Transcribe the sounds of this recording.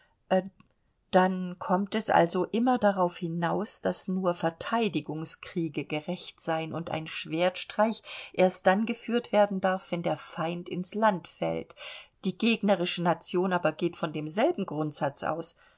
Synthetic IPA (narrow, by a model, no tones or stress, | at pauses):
ʔ | d̥ankʰɔmtɛsʔa̰lzoʔɪmɐdaʁaʊfhɪnaʊsd̥asnuːɐfɛɐtʰaɪdɪɡʊŋskʁ̥iːɡəɡəʁɛçtz̥aɪənʊntʔa̰ɪnʃv̥eːɐtʃtʁ̥aɪçʔeːɐst̚d̥anɡəfyːɐtv̥eːɐdn̩daɐfv̥ɛndeːɐfaɪntɪnslantfɛ̰ltd̥iːɡeːɡnəʁɪʃənat͡sjoːnaːbɐɡeːtfɔndeːmzɛlbm̩ɡʁʊntz̥at͡sʔa̰ʊs